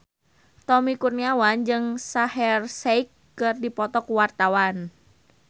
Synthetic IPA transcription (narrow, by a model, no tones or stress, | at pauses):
t̪ɔmikurniawand͡ʒɨŋsahɛrsɛikː | ɨrdipɔt̪ɔkuwart̪awan